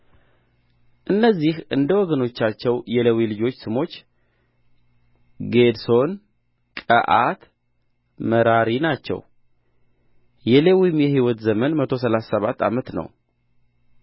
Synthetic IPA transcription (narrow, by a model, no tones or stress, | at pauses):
ʔɨnːəzːihʔɨnd̪əwɔɡəno̞t͡ʃːat͡ʃːɛwjɛlewilɨd͡ʒo̞t͡ʃːsɨmo̞t͡ʃː | ɡe̞d̪so̞n | kʼəʔat̪ | məɾaɾinat͡ʃːɛ̰w | jɛlewimjɛhiwɔt̪zəmənmət̪ʰo̞s̬əlasːəβat̪ːa̰mət̪nə̰w